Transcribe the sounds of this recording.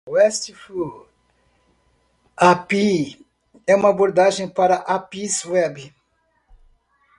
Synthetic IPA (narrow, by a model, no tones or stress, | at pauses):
wɛst͡ʃifu | api | ɛũmɐaboɾd̪aʒẽj̃paɾɐʔapiswɛb